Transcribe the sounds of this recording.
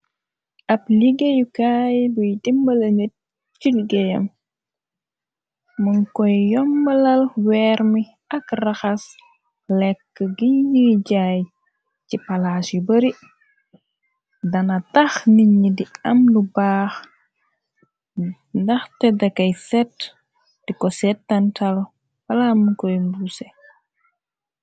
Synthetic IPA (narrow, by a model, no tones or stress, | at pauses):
ʔɐpliɡejukaːjbujdimːəlɐŋət̚ | t͡ʃuliɡejɐ̰m | mənkɔjːɔmːɐlɐlwɛːɾmi | ɐkrɐxɐs | lɛkːəɡiɲːiɟaj | cipalasibəɾi | dɐnatɐxniɲːidiɐmlubaːx | ndɐxtɛdɐkɐjsɛt | d̥ikɔsɛtːɐntal | wɐlaməkɔjmbusɛ